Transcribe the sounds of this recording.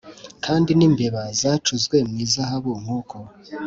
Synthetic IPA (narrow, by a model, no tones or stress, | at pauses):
kʰaːndiniːmbe̞βazat͡ʃuzɡwe̞mŋiːzaɦaβuŋ̥huːkʰo